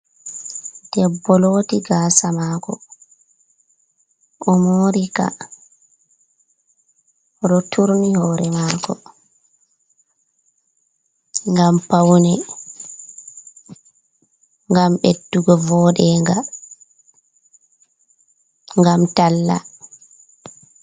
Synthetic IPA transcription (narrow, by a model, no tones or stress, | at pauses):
d̥ɛbːɔloːtiɡaːsamaːkɔ | ʔɔmoːɾika̰ | ɾɔtʰuɾnihɔɾɛmaːkɔ | ŋɡampawnɛ | ŋɡamɓedːuɡɔvɔːɗɛŋɡa | ŋɡamtalːa̰